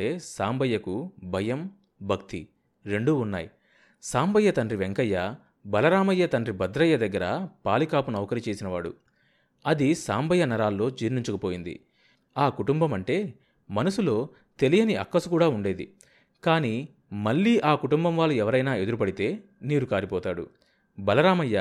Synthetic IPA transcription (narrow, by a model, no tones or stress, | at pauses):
e̞ːsaːmbɐjːɐkubʱɐjɐm | bʱɐkt̪i | ɾe̞ɳɖuːnːa̰ːji | saːmbɐjːɐt̪ɐnrɾiʋeŋkɐjːɐ | bɐlɐɾaːmɐjːɐt̪ɐnrɾibɐd̪ɾɐjːɐd̪ɐɡːɐɾɐpaːlikaːpunɐʋɐkɐɾit͡ʃe̞ːsinɐʋaːɽṵ | ɐd̪isaːmbɐjːɐnɐɾaːlːo̞ːd͡ʒiːɾniɲt͡ʃukɐpoːjind̪ḭ | aːkuʈumbɐmɐɳʈe̞ː | mɐnusulo̞ː | t̪e̞lijɐniʔɐkːɐsukuːɽaːuɳɖe̞ːd̪ḭ | kaːni | mɐɭːiːʔaːkuʈumbɐmʋaːlːuɛʋɐɾɐjnaːe̞d̪uɾup̬ɐɽit̪e̞ː | niːɾukaːɾipɔːt̪aːɽṵ | bɐlɐɾaːmɐjːɐ